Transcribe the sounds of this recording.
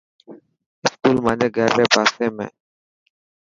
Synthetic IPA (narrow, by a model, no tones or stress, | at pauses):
ɪskuːlmaːneːɡɛːɾʋeːbʱaːseːmḛ̃ː